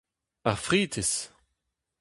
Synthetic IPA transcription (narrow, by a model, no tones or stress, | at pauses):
aʁfʁiːt̪es